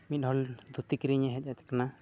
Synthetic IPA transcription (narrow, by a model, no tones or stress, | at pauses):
mit̪̚ɦɔld̪ʱut̪ikɾiɲaɦɛc̚ˀat̪ɛ̥kana